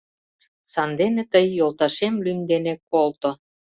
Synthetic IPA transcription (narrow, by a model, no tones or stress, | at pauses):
sɑnd̪enĕt̪əjːolˠt̪ɑʃemlynd̪enekolt̪o